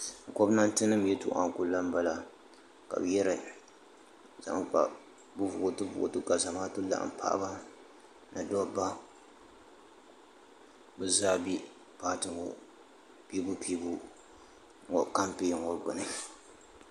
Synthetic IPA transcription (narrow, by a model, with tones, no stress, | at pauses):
ko˦bna˦ntɨ˦nɨ˦m˦jɛ˦tʊ̰˦ʔa̰˨ŋ˨kʊ˨˦la˦m˦ba˦la˨ | ka̰˨bjɛ˦ɾɨ˨ | za̰˨ʔŋka̰˨ | bʊ˦vʊ˨ʊ˦tɨ˦bʊ̰˨ʔʊ̰˨tɨ˦ka˨za˨maː˦tʊ˦la̰˨ʔm̩˨pʰa̰˦ʔba˦ | na˨dɔ˦ba˦ | bɨ˦zaː˦bi˦ | paː˦tɨ˦ɡʊ˨ | pi˦bu˦piː˦bu˦ | o˨ka˦mpi˦˨ŋo˦ɾɡʊ˨nɨ˨